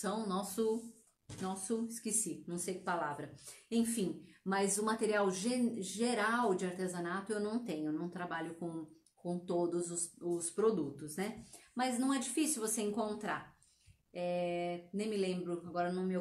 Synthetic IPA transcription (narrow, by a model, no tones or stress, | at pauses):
sɐ̃w̃nɔsʊ | nɔsʊɪskesinɐ̃w̃sejkɪ̥palavɾɐẽj̃fĩmɐzʊmat̪eɾiawʒeʒeɾawd͡ʒɪaɾt̪ezɐnat̪ʊewnɐ̃w̃t̪ẽɲ̃ʊenɐ̃w̃t̪ɾabaʎʊkõw̃ | kõt̪od̪ʊzʊsʊspɾod̪ut̪ʊsnɛmɐznɐ̃w̃ɛd͡ʒifisiʊvoseẽŋkõnt̪ɾa̰ | ɛnẽj̃mɪlẽmbɾʊaɡɔɾɐnɐ̃w̃me